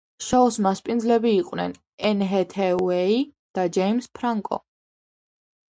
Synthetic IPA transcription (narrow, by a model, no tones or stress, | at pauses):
ʃɔusmaspʼind̪zlɛbiːqʼwnɛ̰n | ɛnɦɛt̪ʰɛuɛi | d̪̥ad͡ʒɛjmspʰɾaŋkʼɔ̰